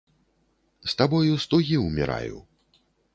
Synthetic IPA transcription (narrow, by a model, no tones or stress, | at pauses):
st̪abɔjust̪ɔɣiumʲɛ̰ɾa̰jṵ